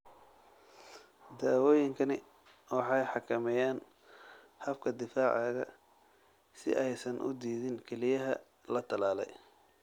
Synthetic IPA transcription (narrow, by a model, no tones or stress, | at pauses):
d̪aːwɔːjɪŋkʰɐnɪ | wɑħɑjħɑkʰɐmɛjaːn | hɐfkʰɐd̪ɪfaːʕaːɣɐ̰ | sɪ̰ʔɛjsɐnʔʊ̰d̪iːðɪnkʰɛlɪjɐɦɐ̰ | lɐt̪ʰɐlaːlɛj